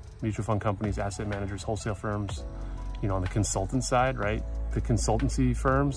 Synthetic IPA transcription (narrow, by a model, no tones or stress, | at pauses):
mjʉt͡ʃofʌ̃n̚kʰʌ̃mpənizæsɛt̚mænɨd͡ʒə˞z̥hoʊlˠseɪlˠfɜ̃˞mz̥jɨnoʊ̃nðɨkʰɨ̃nsʌlˠtn̩tsaɪd̚ɹaɪt̪̚ðɨkʰɨ̃nsʌlˠtn̩sifɜ̃˞mz̥